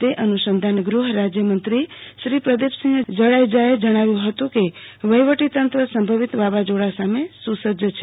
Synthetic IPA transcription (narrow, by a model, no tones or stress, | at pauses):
t̪eʔənusənd̪ʱanɡɾuɦɾad͡ʒjəmənt̪ɾiʃɾipɾəd̪epsə̃ŋɡd͡ʒəɽajd͡ʒajed͡ʒəɽ̃aʋjũɦət̪ũkeʋəjʋəʈit̪ənt̪ɾəsəmbʱəʋit̪babad͡ʒoɽasamesusəd͡ʒət͡ʃʰe̥